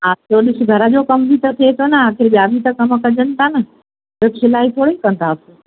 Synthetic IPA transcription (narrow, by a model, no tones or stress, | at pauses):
ɦaːt͡ɕoːɗɪsɡʱɐɾəd͡ʑoːkɐmbʱit̪ɐt̪ʰiet̪ʰonɐaːkʰɪɾɓijaːbʱit̪ɐkɐmkɐd͡ʑənɪ̆t̪ʰaːnɐ | ɪksɪlaːit̪ʰoːɽeikɐ̃nt̪ʰaːse